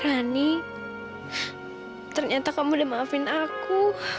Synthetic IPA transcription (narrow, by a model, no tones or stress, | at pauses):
ɾani | t̪ərɲat̪akamudamaːfɪnaku